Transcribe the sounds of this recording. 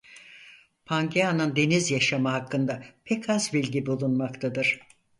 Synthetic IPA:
pʰaŋɟʰeanɯnd̪e̞nizjaʃamaɦakːɯnd̪apʰɛcʰazbilʲɟibulˠunmakt̪ʰad̪ɯɾ̥

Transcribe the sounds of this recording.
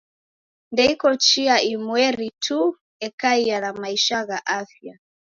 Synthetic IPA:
ndɛikɔt͡ʃiaimwɛɾitʰu | ɛkaialamaiʃaɣaʔafja

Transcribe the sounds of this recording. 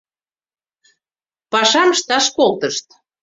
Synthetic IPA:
pɑʃɑməʃt̪ɑʃkolt̪əʃt̪

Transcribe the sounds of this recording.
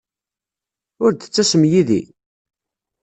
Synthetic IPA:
ʊɾd̪ət͡sːæsəmjiðḭ

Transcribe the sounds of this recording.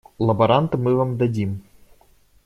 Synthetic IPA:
lˠɐbɐɾant̪ɨmɨvamd̪adʲim

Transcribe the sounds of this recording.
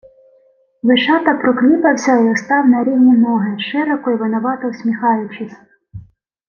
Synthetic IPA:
ʋɪʃɑt̪ɐpɾɔklʲipɐwsʲɐjɔst̪ɑwnɐɾʲiwnʲinɔɦeʃɪɾɔkʊjʋɐnɐʋɑt̪ɔwsʲmʲixɑjʊt͡ʃɪsʲ

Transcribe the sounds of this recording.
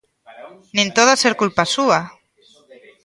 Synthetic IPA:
nĩnt̪oðaseɾkulpasua

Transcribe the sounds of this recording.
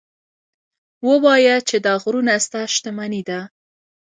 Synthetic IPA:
wəwɑjat͡ʃed̪ɑɣɾunast̪aʃt̪əmanid̪a

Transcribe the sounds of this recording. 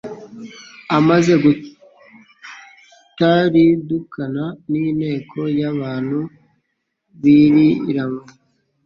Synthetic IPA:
amaze̞ɡu | taɾidukʰananinhe̞ːkʰo̞jaβaːnhu | βiɾiɾamu

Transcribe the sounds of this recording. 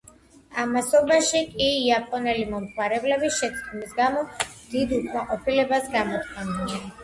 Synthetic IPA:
amasɔbaʃikʼiːapʼɔnɛlimɔmtʰwaɾɛblɛbisʃɛt̪sʰʼdmisɡamɔd̪̥id̪ut̪ʰʼmaqʼɔpʰilɛbasɡamɔt̪ʼχʰʼɛnd̪ɛ

